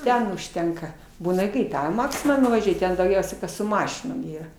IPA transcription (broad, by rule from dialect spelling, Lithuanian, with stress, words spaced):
ˈtʲɛn ʊʃʲˈtʲɛŋkɐ ˈbuːnɐ ɪ kɐɪ ˈkɑː ɪ ˈmɑːksʲɪmɑː nʊʋɐˈʒʲuɔj ˈtʲɛn dɐʊˈɡʲɛʊsʲɛɪ ˈkɐs sʊ ˈmɑːʃʲɪnoːm ˈiːrɐ